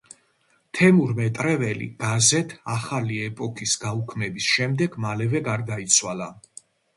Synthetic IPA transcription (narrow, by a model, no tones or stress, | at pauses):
t̪ʰɛmuɾmɛt̪ʼɾɛvɛlḭɡ̥azɛt̪ʰaχaliɛpʼɔkʰisɡaukʰmɛbisʃɛmd̪ɛɡmalɛvɛɡaɾd̪ait̪sʰwala